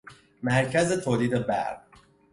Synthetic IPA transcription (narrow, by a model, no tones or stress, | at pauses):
mæɾcʰæzet̪ʰoːliːd̪ebæ̰ʁ